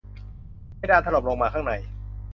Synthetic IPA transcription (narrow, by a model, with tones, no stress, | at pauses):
jdaː˧nt̪ʰa˧lo˨˩p̚lo˧ŋmaː˧kʰaː˥˩ŋna˨˩j